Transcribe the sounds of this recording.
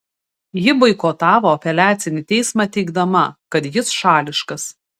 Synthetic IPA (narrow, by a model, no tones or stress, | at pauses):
jɪbɐɪkoːt̪ɑːʋoːɐpʲɛlʲæːt̪sʲɪnʲɪt̪ʲɛɪsmɑːt̪ʲɛɪɡd̪ɐmɐkɐt̪jɪsʃɑːlʲɪʃkɐs